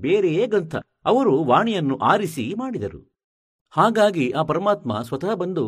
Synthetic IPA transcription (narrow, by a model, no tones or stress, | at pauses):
beːɾejeːɡɐnt̪ʰɐ̰ | ɐʋɐɾuʋaːɳijɐnːuʔaːɾisimaːɽid̪ɐɾṵ | haːɡaːɡiʔaːpɐɾɐmaːt̪mɐ̰sʋɐt̪ɐɦɐbɐnd̪u